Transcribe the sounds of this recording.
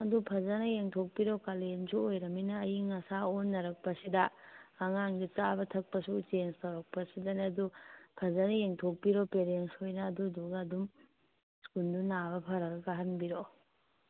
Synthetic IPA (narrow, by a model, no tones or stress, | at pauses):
ɐdupʰɐzɐnɐjeŋtʰok̚piɾokalensuojɾɐminɐːjiŋɐsaonːɐɾɐk̚pɐsidɐːŋaŋɡit͡ʃabɐtʰɐk̚pɐsut͡ʃenstɐwɾɐk̚pɐsidɐnɐdupʰɐzɐnɐjeŋtʰok̚piɾopeɾenshojnɐːduduɡɐːdum | skundunabɐpʰɐɾɐkɐkaɦɐnbiɾo